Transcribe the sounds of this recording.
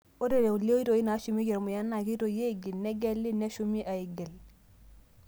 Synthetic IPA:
o˦de˨ɾe˨u˨le˦i˦to˨i˦na˨˦ʃu˨mi˦ke˨ɾmʊ˨ja˦na˨ki˦to˨je˦˨ɡɪ˨lnɛ˦ɡɛ˦lːɪ˦nɛ˦ʃu˦mi˦ʔa˨e˨ɡe˨l

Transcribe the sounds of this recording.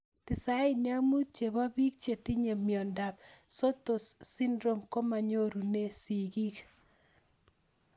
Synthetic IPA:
tɪ˨sa˦ɪ˦ni˦a˦mu˦t̪̚t͡ʃe˨βa˦bi˦k̚t͡ʃe˨ti˦ɲe˨mjɔ˨nda˨p̚so˦to˨ssi˦ndɾo˦mko˦ma˨ɲo˦ɾu˨ne˦si˨ɡi˦k

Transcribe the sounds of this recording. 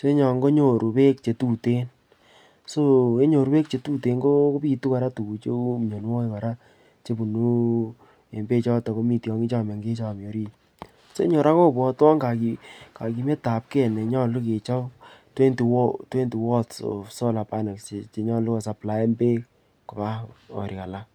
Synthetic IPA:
so˦e˦ɲɔ˨ŋɡo˦ɲo˨ɾu˨pe˦k̚t͡ʃe˨tu˦te˦n | so˦e˦ɲo˨ɾu˦pe˦k̚t͡ʃe˨˧tu˦te˨ŋɡo˦ko˦pi˦˧tu˦ka˨ɾa˦tu˨ku˨t͡ʃo˦mɲo˨n˦wɔ˦i˦ka˨ɾa˦ | t͡ʃe˦bu˨nu˦ | e˨mbe˦t͡ʃɔ˦tɔ˨ko˦mi˨tjɔ˨˦ŋi˦t͡ʃa˦˨ma˨ŋɡe˦t͡ʃa˦˨mjo˨ɾi˦ | so˦e˦ɲo˨ɾa˦ko˦˨pɔ˨tɔ˦ŋɡa˨ki˨ka˨ki˨mɛ˦ta˨p̚kɛ˦˨nɛ˨ɲɔ˦lu˦ke˨t͡ʃa˦twe˦ntu˨wɔ˦te˦ntu˨wɔ˦tso̰˨sɔ˦la˨pa˦na˨kse˨t͡ʃe˨ɲɔ˦lʊ˦kɔ˨sa˨pla˨˦e˦mbe˦ | ko˨pa˦ɔ̰˨ɾi˨ka˨la˦

